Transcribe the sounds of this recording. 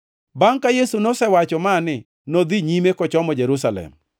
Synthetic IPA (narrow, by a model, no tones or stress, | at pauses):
baŋkajesunɔsɛwat͡ʃɔmanɪ | nod̪iɲimekɔt͡ʃɔmɔd͡ʒeɾusalɛ̰m